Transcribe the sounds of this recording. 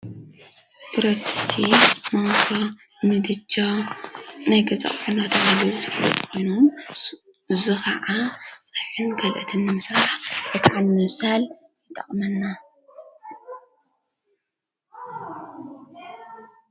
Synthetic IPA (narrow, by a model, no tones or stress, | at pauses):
ʔiɾɐd̪ɨst̪ʰimawkʰɐ | nɨd̪ɨd͡ʒa | najɡɐzʼɐ̰χʼħunat̪ʰɐmalɐwusɨfɾɐt̪ʼkʰo̞jnom | ɨzukʰɐʕasʼɨħɨnɡɐlʔɨ̰t̪ʰɨnːɨmɨsɾaħjet̪ʰaʕalmɨwsal | jɪt̪ʼɐ̰χʼmɐnːa